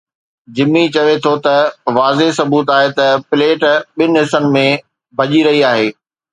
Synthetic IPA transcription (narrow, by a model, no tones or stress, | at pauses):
d͡ʑɪmːit͡ɕɐʋet̪ʰot̪ɐʋaːzesɐbuːt̪aːɦet̪ɐpɪleːʈɓɪnɪɦɪsənɪ̆mẽ | bʱɐʄiɾɐɦiaːɦeː